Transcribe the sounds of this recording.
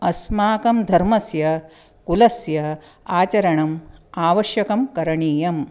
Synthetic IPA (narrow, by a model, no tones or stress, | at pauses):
ɐsmaːkɐmd̪ʱɐɾmɐsjɐ | kulɐsjɐ | aːt͡ʃɐɾɐɳɐmaːʋɐʃjɐkɐmkɐɾɐɳiːjɐm